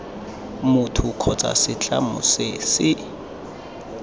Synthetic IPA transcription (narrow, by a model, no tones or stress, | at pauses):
mʊtʰʊkʰɔt͡sʼa̰sɪt͡ɬʼa̰mʊ̰sɪsɪ